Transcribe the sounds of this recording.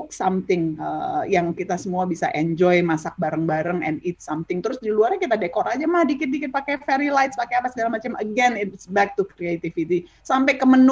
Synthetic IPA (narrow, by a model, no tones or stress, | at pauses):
k̚samt̪ɪŋə̰jaŋkit̪asəmuabisa̰ʔɛɲd͡ʒɔjmasak̚baɾəŋbaɾəŋɛ̰nɪt̪̚samt̪ɪŋt̪əɾʊsdiluarɲakit̪adekɔɾad͡ʒamahdikɪt̪̚dikɪt̪̚pakɛfɛɾilajt̪spakejapasəɡalamat͡ʃaməɡɛnɪt̪sbɛk̚t̪ukɾiet̪ifit̪i | sampajkəmən